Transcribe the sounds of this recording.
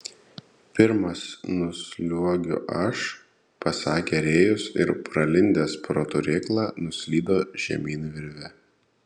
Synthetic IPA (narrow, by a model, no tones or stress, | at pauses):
pʲɪɾmɐsnʊsʲlʲuɔɡʲʊ̰ʔɐʃ | pɐsɑːkʲeɾʲeːjʊsɪ̰ɾpɾɐlʲɪnʲd̪ʲeːspɾoːt̪ʊɾʲeːklˠɑːnʊsʲlʲiːd̪oːʒʲɛ̰mʲiːnʲʋʲɪɾʲʋʲɛ